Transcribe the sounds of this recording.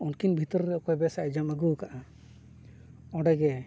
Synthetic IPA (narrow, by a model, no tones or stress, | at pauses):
ɔnkinbʱit̪ɔɾːɛɔkɔjbɛsad͡ʒamaɡukaʔa | ɔ̃ɖɛɡɛ